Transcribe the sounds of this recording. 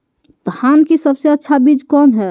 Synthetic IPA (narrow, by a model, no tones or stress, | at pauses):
d̪̥ankisəbseətːʃʰabid͡ʒkɔːnɦɛ